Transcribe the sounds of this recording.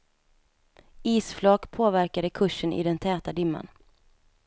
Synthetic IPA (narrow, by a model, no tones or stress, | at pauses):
iːsflɑːkpʰoːvæɾkad̪əkʰɵʂːənʔɪ̰d̪ɛnt̪ʰɛːt̪ad̪ɪmːa̰n